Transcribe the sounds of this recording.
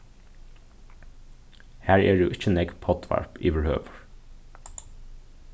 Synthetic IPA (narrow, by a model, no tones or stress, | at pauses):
hæːɹeːɖṵːʔɪçənɛɡpʰɔt̪ʰʋæ̰ɹpḭːʋæɹhø̰ːʋəɹ